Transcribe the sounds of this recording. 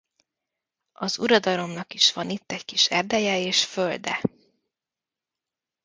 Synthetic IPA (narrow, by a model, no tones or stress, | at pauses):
ɒzuɾɒd̪ɒlo̞mnɒkiʃʋɒnit̪ːɛckiʃɛrd̪ɛjɛeːʃføld̪ɛ̰